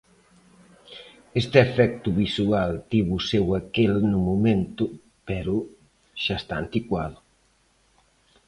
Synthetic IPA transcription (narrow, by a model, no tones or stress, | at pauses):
est̪efɛk̚t̪uβisualt̪iβusewakelnumument̪u | pɛɾu | ʃast̪aːnt̪ikwaðu